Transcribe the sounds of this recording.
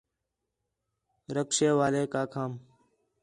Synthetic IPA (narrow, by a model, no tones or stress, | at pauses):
ɾəkʃeːʋaːleːkaːkʰaːm